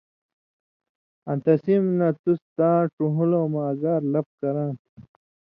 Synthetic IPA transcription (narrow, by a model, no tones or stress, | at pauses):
ɐ̃nt̪ɐsimnɐt̪ust̪ãːʈuɦuloːmaːɡaːɾlɐp̚kɐɾãːt̪